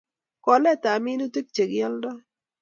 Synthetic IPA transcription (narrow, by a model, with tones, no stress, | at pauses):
kɔ˨lɛ˦˨ta˨mi˦no˦te˦k̚t͡ʃe˨ɡɪ˦ɛ˦ldɔ˦